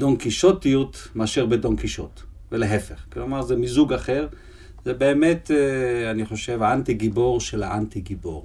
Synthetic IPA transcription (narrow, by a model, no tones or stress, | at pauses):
donkiʃotijutmaʃiʁbedonkiʃo̰t̪ | veleɦefeχklomaʁzemizuɡaχe̞ʁ | zebeːmet̪eaniχo̞ʃevaant̪iɡibo̞ʁʃela̰ant̪iɡibo̰ʁ